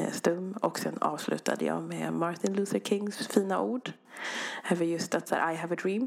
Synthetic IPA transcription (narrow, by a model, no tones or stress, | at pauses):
st̪ɵmːɔksɛnːɑːvslʉ̟̰ːt̪ʰa̰d̪ə̰jɑ̰ːmeːmaɾt̪ʰɪnlʉːsəɾkʰɪŋːsfiːnaʔuːɖ | ɛːvəɾjɵst̪at̪sæ̰ːɾʔajɦævəd̪ɾiːm